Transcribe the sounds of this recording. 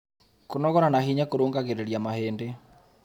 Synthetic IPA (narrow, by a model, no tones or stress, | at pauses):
konɔɣɔɾanaɦiɲakoɾoːŋɡaɣeɾeɾjamaheːnde